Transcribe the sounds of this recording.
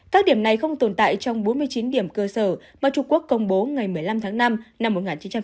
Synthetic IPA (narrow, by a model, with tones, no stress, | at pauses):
kaː˦˥k̚ɗi˧˩əmna˨˩jxə˧wŋ͡mt̪o˨˩nt̪a̰ː˧˨jt͡ɕɔ˧wŋ͡mɓo˨˦nmɨ˧əjt͡ɕi˨˦nɗi˧˩əmkəː˧səː˧˩maː˨˩t͡ɕʊ˧ŋ͡mku˦˥əkːə˧wŋ͡mɓo˨˦ŋa˨˩jmɨ˨˩əjla˧mt̪ʰaː˨˦ŋna˧mna˧mːo˨˩t̚ŋaː˨˩nt͡ɕi˨˦nt͡ɕa˧